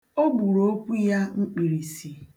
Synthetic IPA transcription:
o˦bu˨ɾo˦o˦kʷu˦ja˦ŋ͡m̩˦k͡pi˨ɾi˨si˨

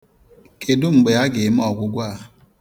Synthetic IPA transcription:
ke˨dʊ˦ŋ͡m̩˨ɡ͡be˨a˦ɡɪ˨m˦ɔ˨ɡʷʊ˦ɡʷa˦˨

